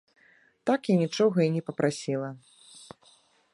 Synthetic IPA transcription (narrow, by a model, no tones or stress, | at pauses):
t̪akinʲit͡ʂɔɣɐinʲɛpɐpɾʔasʲilˠɐ